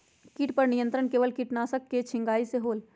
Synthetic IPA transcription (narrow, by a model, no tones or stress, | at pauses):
kiːʈpəɾnijə̃nt̪ɾənkeːʋəlkiːʈnaːsəkːet͡ʃʰɪ̃ŋɡaːiseɦoːl